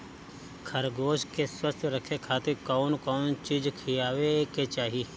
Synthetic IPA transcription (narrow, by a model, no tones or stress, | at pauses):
kʰɐɾɡoːʃkeswəst̪ʰjɾəkʰekʰaːt̪ɪɾkɔːnkɔːnt͡ʃiːd͡ʒkʰijaːʋeket͡ʃaːɦi